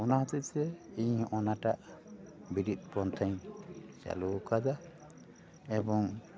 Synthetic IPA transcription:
ɔnaɦɔt̪it̪̚sɛiɲɔnaʈaʔbiɾit̪̚ˀpɾɔnt̪ʰaɲt͡ʃa̰lukʰad̪a | ɛbɔŋ

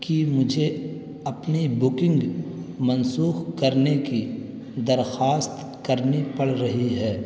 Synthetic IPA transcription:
kimʊd͡ʒʱe | ɐpnibʊkɪ̃ŋɡmɐnsuːxkɐɾneki | d̪ɐɾxaːst̪ | kɐɾnipɐɽɾɐɦiɦɛː

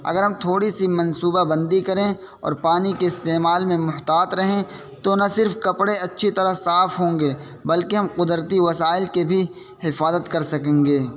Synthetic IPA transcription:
ɐ̰ɡəɾɦɐmt̪ʰoːɽisimɐ̃nsuːbabɐ̃nd̪ikɐɾẽ | ɔ̰ːɾpaːnikeɪst̪eːmaːlmẽmʊɦt̪aːt̪ɾɐɦẽ | t̪onɐsɪɾfkɐpɽeɐtːʃʰit̪ɐɾaɦsaːfɦõːŋɡeː | bɐlkeɦɐmqʊd̪ɾt̪iʋɐsaːɪlkebʱi | hɪfaːzət̪kɐɾsɐkẽːŋɡeː

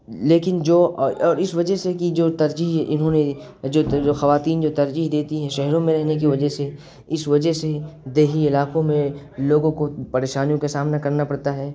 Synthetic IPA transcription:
leːkɪnd͡ʒoːɔɔːɾɪsʋɐd͡ʒəɦsekid͡ʒoːt̪ɐɾd͡ʒiːɦɪnɦõne | d͡ʒoːd͡ʒoːxɐʋaːt̪iːnd͡ʒoːt̪ɐɾd͡ʒiːɦd̪eːt̪iɦɛ̃ʃɛɦɾõmẽɾɛɦnek̬iʋɐd͡ʒɛɦse | ɪsʋɐd͡ʒəɦsed̪eːɦiɪlaːqõmẽ | loːɡõkopɐɾeːʃaːnijõkasaːmnakɐɾnapɐɽt̪aɦɛː

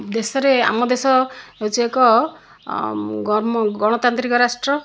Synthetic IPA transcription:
d̪esɔɾea̰mɔd̪esɔeut͡ʃiekɔ | ɡɔɾmɡɔɽ̃ɔt̪ant̪ɾikɔɾasʈɾɔ

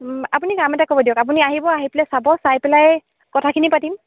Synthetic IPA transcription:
apunikamɛtakɔbɔdijɔkap̬uniaɦibɔaɦiplasabɔsajpɛlajɛ | kɔtʰakʰinipatim

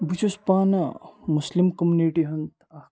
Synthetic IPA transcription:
but͡ʃʰuspaːnɐmuslimkɐmjuniʈiɦɐnt̪a

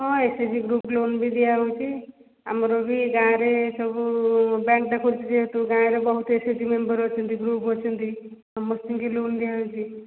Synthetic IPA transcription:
ɦɔ̃esed͡ʒiɡɾuplonbʱid̪ijaɦowt͡ʃʰi | amɾobʱiɡãɾesɔbubãŋk̚ʈakʰult͡ʃʰid͡ʒeɦt̪uɡãɾebɔɦut̪esed͡ʒimembəɾɦɔt͡ʃʰɔnt̪iɡɾupɦɔt͡ʃʰɔnt̪i | ɔmːɔst̪iŋkilond̪ijaɦowt͡ʃʰi

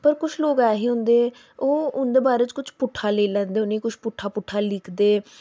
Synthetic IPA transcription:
pəɾkʊt͡ʃʰloːɡɛːɦiːɦõnd̪eː | oːʊnd̪eːbaːɾeːt͡ʃkʊt͡ʃʰpʊʈʰːaːleːlɛ̃ːnd̪eːʊnĩːkʊt͡ʃʰpʊʈʰːaːpʊʈʰːaːlɪkʰd̪eː

